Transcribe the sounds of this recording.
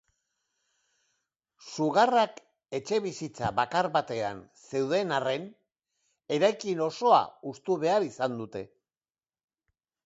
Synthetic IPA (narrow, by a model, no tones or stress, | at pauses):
suɣarak | e̞t͡ʃe̞βisit͡saβakaɾβat̪e̞a̰nse̞wð̞e̞nare̞n | e̞ɾajkino̞so̞a̰ust̪uβe̞aɾisand̪ut̪e̞